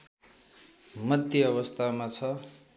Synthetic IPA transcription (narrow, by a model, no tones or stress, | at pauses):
mʌd̪ʱjʌʌβʌst̪ʰamat͡sʰʌ